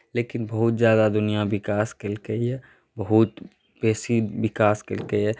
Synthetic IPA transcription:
leːkɪnbɐɦʊt̪̚zjaːd̪ad̪ʊnijabɪkaːskelkəiɦɛ | bɐɦʊt̪ | pɛːsiʋɪkaːskelkəiɦɛ

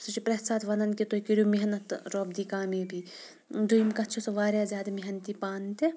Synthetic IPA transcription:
sɨt͡ʃipɾɐt̪saːt̪ʋɐnɐnkit̪okiɾʲumiɦɐnɐt̪ɾoːb̚d̪ikaːmiːbi | d̪ʱujmkɐt̪t͡ʃʰosɐʋaːɾjaːzʲjaːd̪ɐmiɦɐnt̪ipaːnt̪e

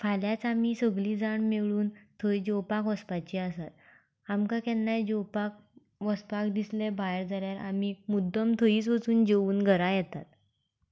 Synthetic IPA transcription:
fʰaljat͡samiːsəɡɭiːd͡zaɳmeɭuːnt̪ʰəjd͡ʑowpakʋəspat͡ɕiasat̪̚ | amkakɛnːajd͡ʑɔwpak̚ | ʋəspakd̪islebaeɾd͡zaljaɾa̰miːmud̪ʱːəmt̪ʰəiːt͡sʋət͡suːnd͡ʑeuːnɡʱəɾajɛt̪at̪̚

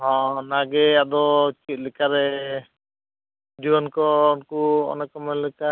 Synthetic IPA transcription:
ɦɔ̃naɡɛad̪ɔt͡ʃit̪̚ˀlɛkaɾɛ | d͡ʒibɔnkɔunkuɔ̰nɛkɔmɛlɛka

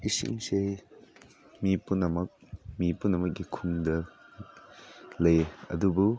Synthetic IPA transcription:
isḭŋse | mipunɐmɐk̚mipunːɐmɐk̚ɡikʰuŋdɐ | lɐjeɐ̰dubu

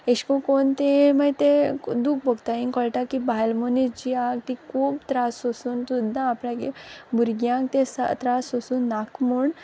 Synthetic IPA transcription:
eɕkõkont̪ẽmajt̪ẽd̪uk̚bɔɡt̪aiŋkɔɭʈakibajlmonid͡ʑiakt̪ikʰuːbt̪ɾasosuːnt̪ud̪ʱːãːplãkebuɾɡjãŋk̚t̪ẽsa̰t̪ɾasɔsuːnːakmuɳ

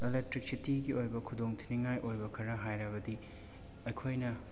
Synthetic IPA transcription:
elek̚tɾik̚sitiɡiojbɐkʰudoŋtʰiniŋajʔojbɐkʰɐɾɐɦajɾɐbɐdi | ɐjkʰojnɐ

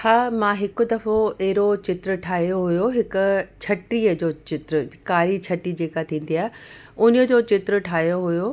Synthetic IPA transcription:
haːmãːɦɪkʊ̆d̪ɐfoɛɦɾot͡ɕɪt̪ɾəʈʰaːɦijoɦʊjoɦɪkʊ̆t͡ɕʰɐʈiːəd͡ʑoːt͡ɕɪt̪ɾəkaːɾit͡ɕʰɐʈːid͡ʑeːkat̪ʰĩːn̆d̪iaːɦɪ | ʊnəd͡ʑoːt͡ɕɪt̪ɾəʈʰaːɦijoɦʊjo

